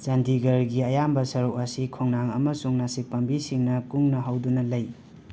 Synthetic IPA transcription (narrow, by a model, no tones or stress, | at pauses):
d͡ʒɐndiɡɐɾɡiɐjambɐsɐɾukɐsikʰɔŋnaŋɐ̰mɐsuŋnasik̚pɐmbisiŋnɐkuŋnɐɦawdunɐlɐj